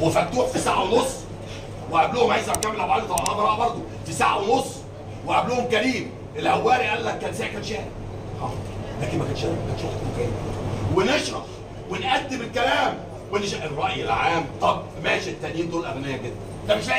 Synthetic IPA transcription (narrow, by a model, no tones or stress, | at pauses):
wefæt̪ːuːħfisaʕawnosˤː | weʕabloːhomʕajzæbkæmːelʕabaʕd̪it̪ˤɑbɑɑbɑɾˤɑːʔbɑɾˤd̪ˤo | fisaʕawnosˤː | weʕabluːhomkæɾiːm | ʔelʔæwːæːɾiʔælːækːæːnsæʕkænʃæːɾæ | hɑd̪læːkenmækæːnʃækænʃæħt̪mokæːmweneʃɾˤɑħ | wenʔæd̪ːemelkælæːm | weneʃ̬ʔerˤːɑʔjelʕaːmt̪ˤɑb̚ | mæːʃt̪ːænjiːnd̪oːlʔæbænæjːæɡed̪ːænd̪æmeʃf